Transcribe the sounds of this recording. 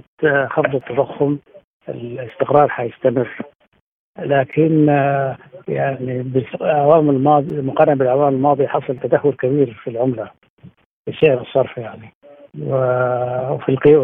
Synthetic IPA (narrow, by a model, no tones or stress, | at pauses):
t̪xɑfðˤɨt̪ːad̪ˤaxːʊm | ɪ̰lɪst̪ɪqɾˤɑːɾˤħajɪst̪amɪrː | laːkʰɪn | jaʕnibɪlʕawaːmɪlmɑːd̪ˤimʊqɑɾɪnbɪlʕawaːmɪlmɑːd̪ˤiħɑsˤɑlt̪ad̪ahːʊɾkabiːɾfilʕʊmla | bɪʃɪʕɾɨsˤːɑɾˤfjaʕni | wɪwfilqi